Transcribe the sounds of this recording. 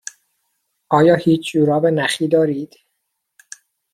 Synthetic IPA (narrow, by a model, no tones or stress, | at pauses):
ʔɒːjɒːhiːt͡ʃʰd͡ʒuːɾɒːvenæxiːd̪ɒːɾiːd̪̥